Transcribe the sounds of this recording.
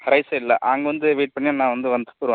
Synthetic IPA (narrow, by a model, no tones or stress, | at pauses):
hɐɾɐɪsɐɪlːɐʔaːŋɡɐʋɐnd̪ɯʋeːʈ̚pɐɳːɪaːnãːʋɐnd̪ɯʋɐnd̪ɐ̥pːʊɾɯʋã